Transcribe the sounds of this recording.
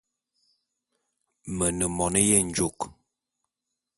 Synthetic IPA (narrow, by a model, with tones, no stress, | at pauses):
mə˨nə˨mɔ˨nə˦jɛ˦˨n̩˦d͡ʒo˦˨k